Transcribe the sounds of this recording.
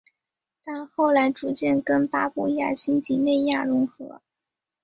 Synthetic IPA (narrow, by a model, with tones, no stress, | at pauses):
t̪a˥˧nxo˥˩ʊla˧˥ɪʈ͡ʂu˧˥t͡ɕjɛ˥˩nkə˥npa˥pɔ˧˥ja̰˥˩ɕi˥nt͡ɕi˧˥ne˥˧ɪja˥˩ɻʊ˧˥ŋxɤ̰˧˥